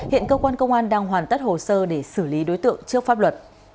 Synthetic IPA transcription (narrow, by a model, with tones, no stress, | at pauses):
hḭ˧˨ənkəː˧kwaː˧nkə˧wŋ͡mʔaː˧nɗaː˧ŋɦwaː˨˩nt̪ə˦˥t̚ho˨˩səː˧ɗe˧˩sɨ˧˩li˨˦ɗo˨˦jt̪ɨ̰˧˨əŋt͡ɕɨ˦˥ək̚faː˦˥p̚lwə˨˩t̚